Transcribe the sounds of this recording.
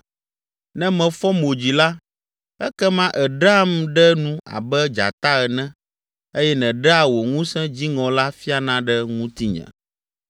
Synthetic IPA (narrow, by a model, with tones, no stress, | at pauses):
nɛ̃˦mɛ̃˨fɔ˦mo˨d͡ʑi˨la˦ | ɛ˦kɛ˦mã˦ʔɛ˨ɖa˦mɖɛ˦nũ˦a̰˨bɛ˦d͡ʒa̰˨t̪a˦ɛ˨nɛ̃˦ | e˦jɛ˦nɛ̃˨ɖɛ˦a˨wo˨ŋũ˦sɛ̃˦d͡ʑi˦ŋɔ̃˨la˦fi˦a˨nã˦ɖɛ˦ŋũ˦t̪i˦ɲɛ̰̃˨